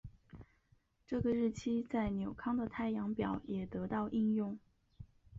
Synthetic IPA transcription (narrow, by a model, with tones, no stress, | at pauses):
ʈ͡ʂɤ˥˩ɡə˩ɻɻ̩˥˩t͡ɕʰi˥t͡sa˥˩ɪnjo˨˩ʊkʰɑ˥ŋd̪ə˨t̪ʰa˥˩ɪjɑ˧˥ŋpjɑ˨˩˦ʊjɛ˨˩t̪ɤ˧˥t̪ɑ˥˩ʊʔi˥njʊ˥˩ŋ